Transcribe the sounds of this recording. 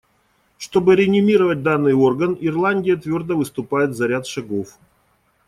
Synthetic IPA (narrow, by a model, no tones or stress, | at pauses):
ʂt̪o̞bɨɾʲɪnʲɪmʲiɾəvət̚ʲd̪anːɨjo̞rɡənɪrlˠanʲdʲɪjət̪vʲo̞rd̪əvɨst̪ʊpajɪt̪zɐɾʲat̪ʂɐɡof